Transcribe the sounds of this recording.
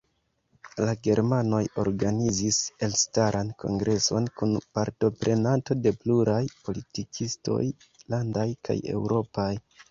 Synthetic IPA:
laɡe̞ɾmano̞jo̞̰ɾɡanizise̞lstaɾʔankʰo̞̰ŋɡɾʔe̞so̞nkunpaɾto̞pɾe̞nanto̞de̞pluɾajpo̞litikʰisto̞̰j | landajkʰa̰je̞̰wɾo̞paj

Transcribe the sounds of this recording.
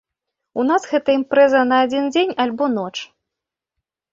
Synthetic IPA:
un̪asɣɛt̪ɐimpɾɛzɐnɐːd͡zʲind͡zʲenʲalʲbɔnɔt͡ʂ

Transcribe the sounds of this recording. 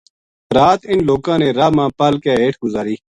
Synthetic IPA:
ɾaːt̪ɪnloːkãːneːɾaːmãːpalkeːeːʈʰɡʊzaːɾiː

